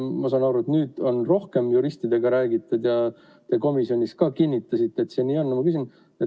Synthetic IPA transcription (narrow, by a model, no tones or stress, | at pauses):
mɑs̬ɑːnɑɾuet̪nyːd̪̥o̞nro̞hke̞mjuɾisʲt̪id̪e̞ɡ̥ɑɾæːɡit̪ːˑud̪̥jɑ | t̪e̞ːko̞misjo̞nʲiskɑːkinʲːit̪ːˑɑsit̪ːeet̪ːse̞ːniːo̞nːmɑkysin | e